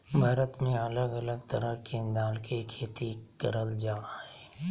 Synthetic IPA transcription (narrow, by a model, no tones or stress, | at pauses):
bʱaːɾət̪mẽɐləɡɐləɡ̚t̪əɾəkend̪aːlkʰekʰeːt̪ikɐɾəld͡ʒaːɦɛː